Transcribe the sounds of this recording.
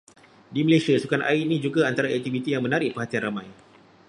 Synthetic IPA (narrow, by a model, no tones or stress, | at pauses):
diməlesiasukanʔa̰inĩd͡ʒuɡaant̪aɾaɛk̚t̪ivit̪ijaŋmə̃naɾɪʔpəɦat̪ianramãj